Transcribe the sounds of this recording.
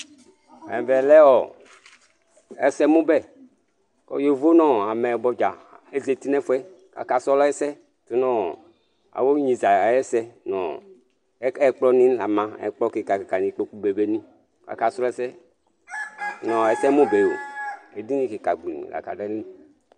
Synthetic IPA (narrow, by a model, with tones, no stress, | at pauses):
ɛ̰̃˨vɛ˨lɛ˦ɔ˨ | ɛ̰˨sɛ˦mũ˦bɛ˦˨ | kɔ̰˦je˨vo˦nɔ̃˦a˨mɛ˨bɔ˦d͡ʒa˨e˨ze˨ti˦nɛ˦fɛ˦ | ka̰˨ka˨sɔ˦lɔ˦ɛ˦sɛ˦ | to˦nɔ̃˦ | a̰˨wo˦ɲĩ˨za˨jɛ˦sɛ˦nɔ̰˨˦ | ɛ˦k͡plɔ˦nĩ˦la˨mã˦ɛ̰˨k͡plɔ˦ke˨ka˨kka˨nĩ˨k͡po˦ku˦be˨be˦nĩ˦ | ka̰˨ka˨sɔ˦lɔ˦ɛ˦sɛ˦ | nɔ̃˨ɛ˨sɛ˦mõ˦be˨o̰˨e˨di˦nĩ˦ke˨ka˨ɡ͡bḭ˨nḭ˨ɡa̰˨ka̰˨dɛ˦nĩ˦